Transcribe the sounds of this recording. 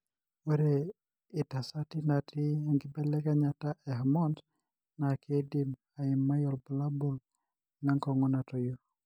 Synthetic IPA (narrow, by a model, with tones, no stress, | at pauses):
we˦ɾe | ɪ˨ta˨sa˦ti˦nati˦ŋɡɪbɛ˦lɛ˦ka˦ɲata˦ʔɛ˨ɦamɔ˦nd | na˨kʰe˦di˨m | a˨ɪ˨mːa˦jɔ˨lbɔ˨la˦bo˨l | na˦ŋkɔ˨ŋɔna˨tɔ˨jo